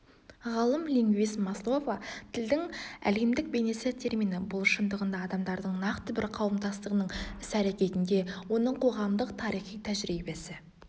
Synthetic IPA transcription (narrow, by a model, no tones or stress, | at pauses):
ʁɑlˠəmlʲiŋɡʲvismɑslˠo̞vat̪ʰɪld̪ɪŋæ̰le̞md̪ɪk̚be̞jne̞sɪt̪ʲʰe̞ɾmijnəbʊlˠʃənd̪əʁənd̪ɑːd̪ɑmd̪ɑɾd̪əɴnɑqt̪əbɪɾqʰɑwəmd̪ɑst̪əʁənəɴʏsæɾekʲe̞t̪ɪnd̪e̞wo̞nəɴqʰo̞ʁɑmd̪əqt̪ʰɑɾijχijt̪ʰæʒɾibe̞sɪ